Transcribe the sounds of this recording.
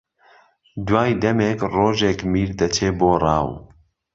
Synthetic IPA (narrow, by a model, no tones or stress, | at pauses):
d̪waːjd̪ɐmeːkroːʒeːkmiːɾd̪ɐt͡ʃʰeːboːrˤɑ̰ːw